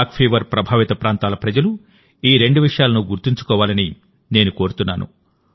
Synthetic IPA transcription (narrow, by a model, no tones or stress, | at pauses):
kpʰeːʋɐɾpɾɐbʱaːʋit̪ɐpɾaːnt̪aːlɐpɾɐd͡ʒɐlu | iːɾe̞ɳɖuʋiʂɐjaːlɐnuɡuɾt̪iɲt͡ʃu̥kɔːʋaːlɐni | ne̞ːnuko̞ːɾut̪unːaːnṵ